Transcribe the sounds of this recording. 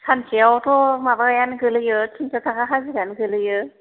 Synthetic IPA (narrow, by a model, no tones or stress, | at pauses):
sʰansʰiawɔtʰɔmabakajanɡɯlɯjɯtʰintʰatʰakaɦaziɡanɡɯlɯjɯ